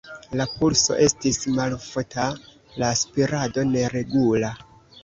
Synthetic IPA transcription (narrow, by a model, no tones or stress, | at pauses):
lapulso̞̰ʔe̞stismalfota | laːspiɾado̞ne̞ɾe̞ɡula